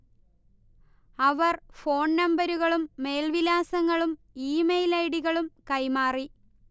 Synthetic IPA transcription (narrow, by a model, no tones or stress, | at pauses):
ɐʋɐrfo̞ːɳnɐmbɐɾuɣɐɭumːe̞jlʋilaːsɐŋːɐɭum | iːmejlɐjɽiɣɐɭumkɐjmaːri